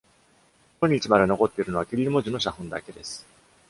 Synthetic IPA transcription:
oɲ̟it͡ɕimad̪e̞no̞ko̞t̪ːe̞iɾɯ̟no̞βakʲiɾʲiɾʲimo̞ʑino̞ɕ̬ahɯ̟̃nd̪a̰ke̞d̪e̞sɨ̥

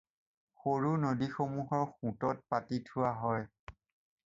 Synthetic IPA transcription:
xoɹunodixomuɦɔɹxũtɔt̚patitʰʊwaɦɔj

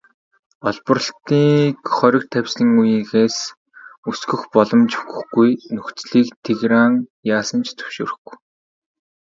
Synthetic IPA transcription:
ɔɮpɞ̆rə̆ɬt̪iːkχœɾʲɪ̆kt̪ʰæwʲsɮɘ̆ŋujiːxeːs | usɡɵ̆xpɔɮɞ̆mt͡ɕuɣɵ̆xɡujnɵkt͡sɮiːkt̪ʰeɣɾaːŋjaːsə̆nt͡ɕʰt͡s̪ʰɵ̥wʃo̰ːɾɘ̆xɡu̥j

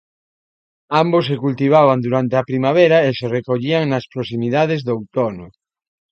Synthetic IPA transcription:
ambosːekult̪iβ̞aβand̪uɾant̪eɐpɾimaβ̞eɾaeserekoʎiaŋnaspɾosimiðað̞ezðowt̪ono

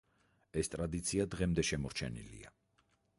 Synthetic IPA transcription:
ɛst̪ʼɾad̪it̪sʰiad̪ʁɛmd̪ɛʃɛmɔɾt͡ʃʰɛ̰nḭlḭa

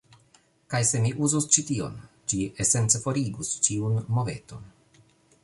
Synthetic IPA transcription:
kajse̞miʔuzust͡ʃitio̞̰n | d͡ʒiese̞nt͡sefo̞ɾiɡust͡ʃiunmo̞ve̞̰to̞n

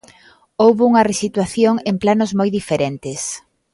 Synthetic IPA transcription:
owβuŋɐresit̪waθjoŋemplanozmojðifeɾent̪ɪs

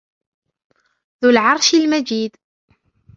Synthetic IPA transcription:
ðulʕɑɾˤʃilmæd͡ʒid̪

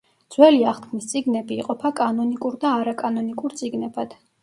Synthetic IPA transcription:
d̪zwɛliaχt̪kʰmist̪sʼiɡnɛbiːqʼɔpʰakʼanɔnikʼuɾd̪aːɾakʼanɔnikʼuɾt̪sʼiɡnɛbad̪̥

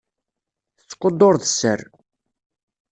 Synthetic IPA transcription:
θət͡sːqːod̪ˤːoɾðəsːə̰r

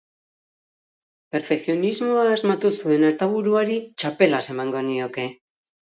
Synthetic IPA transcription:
pe̞ɾfekθijo̞nizmo̞aːzmat̪usue̞naɾt̪aβuɾuaɾit͡ʃape̞lase̞maŋɡo̞nio̞ke̞

